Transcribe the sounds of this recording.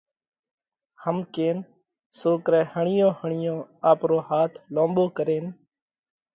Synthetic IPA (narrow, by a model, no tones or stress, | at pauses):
həmkeːn | soːkɾɛ̃ːhəɳɪjõːhəɳɪjõːaːpɾoːhaːt̪ʰlõːmɓoːkəɾeːn